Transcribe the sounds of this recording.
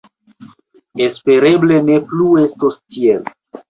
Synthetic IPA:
espe̞ɾe̞ble̞ne̞pluestostiel

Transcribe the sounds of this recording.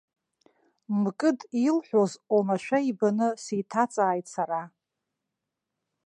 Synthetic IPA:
mkʼɨdilħʷᶣozomaʃʷᶣaibanɨsitʰat͡sʼaːjtʼsaɾa

